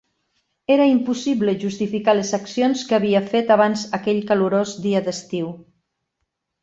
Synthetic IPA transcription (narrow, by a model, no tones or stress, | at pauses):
eɾəimpusiβləʒust̪ifikalezaksionskaβiəfet̪aβanzəkɛʎkaluɾozd̪iəd̪əst̪iw